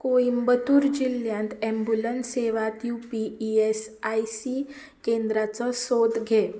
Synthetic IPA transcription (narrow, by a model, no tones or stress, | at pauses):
koimbət̪uːɾd͡ʑiljãnt̪ɛ̃mbulənseʋat̪jupiːesajsi | kend̪ɾat͡səsod̪ɡʱe